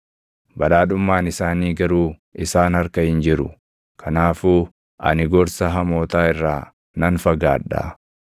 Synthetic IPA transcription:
bɐᶑaːᶑʊmːaːnɪsaːniːɡɐɾuː | ɪsaːnhɐɾkɐhɪnd͡ʒɪɾʊ̰ | kʰɐnaːfuː | ʔɐ̰nɪɡɔɾsɐɦɐmo̞ːt̪aːɪrːaː | nɐnfɐɡa̰ːᶑa̰ː

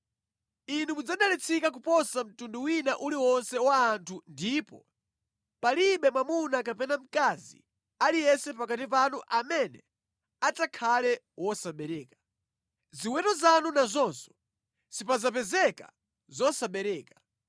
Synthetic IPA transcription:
inumud͡zaɗalit͡sʰikak̬upɔsam̩tunduwinaʔuliwɔnsɛwaːntʰundiːpɔ̰ | paliɓɛmwamunakapɛnam̩kazḭ | alijɛsɛpakatipanuʔamɛnɛ | atakʰalɛ | wɔsaɓɛɾɛːkḁ | ziwɛtɔzanunazɔnsɔ̥ | sipazapɛzɛka | zɔsaɓɛɾɛːkḁ

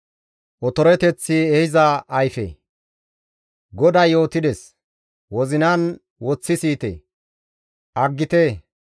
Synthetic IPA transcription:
ʔɔt̪ɔɾɛt̪ɛt͡sːɪɛhɪzɐːjfḛ | ɡɔd̪ɐjjo̞ːt̪ɪd̪ɛs | wɔzɪnɐn | wɔt͡sːɪsiːt̪ḛ | ʔɐɡːɪt̪e

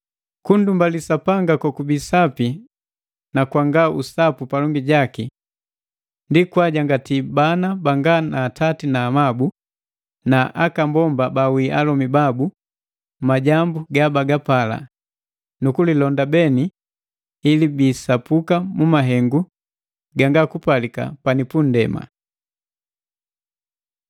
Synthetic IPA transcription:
kundumbalisapaŋɡakakubisapi | nakwaŋɡausapupalɔŋɡiɟaki | ndikwaɟaŋɡatibanabaŋɡanaːtatinaːmabu | naʔakambɔmbabawiʔalɔmibabu | maɟambuɡabaɡapala̰ | nukulilɔndabɛniː | libiːsapukamumaɦɛŋɡu | ɡaŋɡakupalika̰panipun̩dɛma̰

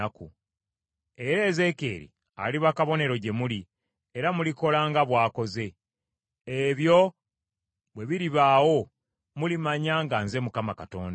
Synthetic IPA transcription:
aku | e̞ɾe̞ːze̞ke̞̰ːɾḭ | a̰liβakaβo̞ne̞ɾo̞ɟe̞muli | eɾamuliko̞laːŋɡaβwaːko̞ze̞ | eβjo̞ | βwe̞βiɾiβaːwo̞ | mulimaɲaŋɡanze̞mukamakato̞̰ːnda

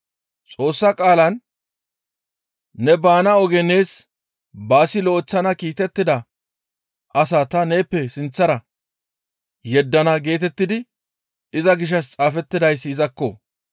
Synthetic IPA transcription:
t͡sʼo̞ːsːɐkʼaːlɐn | ɛbaːnɐɔɡɛne̞ːs | baːsɪlɔɔt͡sːɐnɐkiːt̪ɛt̪ːɪd̪ɐ | ɐsaːt̪ɐne̞ːpːɛsɪnt͡sːɐɾɐ | jɛd̪ːɐnɐɡe̞ːt̪ɛt̪ːɪd̪ɪ | ɪzɐɡɪʃ̬ɐst͡sʼaːfɛt̪ːɪd̪ɐjsːzɐkːɔ̰

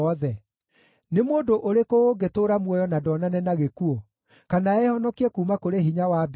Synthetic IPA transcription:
ɔðɛ | nemoːdoʔoɾekooɡetoɾamwɔjɔnadɔnanɛnaɣekuo | kanaɛhɔnɔkiɛkuːmakoɾeɦiɲawab

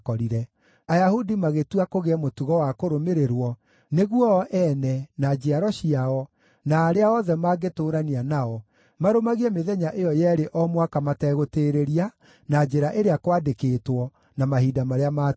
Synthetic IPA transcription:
kɔɾiɾɛ | ajahudimaɣetuakoɣeɛmotuɣɔwakoɾomeɾeɾwɔ | neɣwɔʔɛnɛnad͡ʒeaɾɔɕiaɔ | naːɾeaɔðɛmaːɡetoːɾanianaɔ | maɾomaɣiɛmeðɛɲaʔejɔjɛːɾeʔɔmwakamatɛɣoteːɾeɾia | nad͡ʒeɾaʔeɾeakwadekeːtwɔ | namaɦiːdamaɾeama

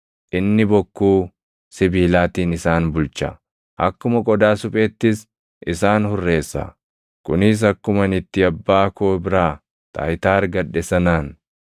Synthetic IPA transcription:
ʔɪnːɪbɔkːuː | sɪbiːlaːt̪iːnɪsaːnbʊlt͡ʃɐ̰ | ʔɐkːʊmɐkʼɔd̪aːsʊpʼeːt̪ːɪs | ʔɪsaːnhʊrːe̞ːsːɐ̰ | kʊnɪs̬ɐkːʊmɐnɪt̪ːɪɐbːaːkoːbɪɾaː | t̪a̰ːjt̪aːɾɡɐᶑːɛsɐnaːn

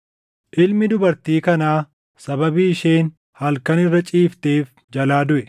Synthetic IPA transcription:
ʔɪlmɪd̪ʊbɐɾt̪iːkɐnaː | sɐbɐbiːɪʃeːn | hɐlkɐnɪrːɐt͡ʃʼiːft̪e̞ːf | d͡ʒɐlaːd̪ʊʔɛ

